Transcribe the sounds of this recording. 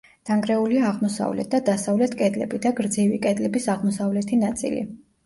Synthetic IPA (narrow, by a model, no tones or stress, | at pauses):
d̪̥aŋɡɾɛuliaːʁmɔsa̰vlɛ̰t̪̚ʰd̪ad̪asavlɛt̪ʰkʼɛd̪lɛ̰bid̪aɡɾd̪zivikʼɛd̪lɛbisaʁmɔsavlɛt̪ʰinat̪sʼḭlḭ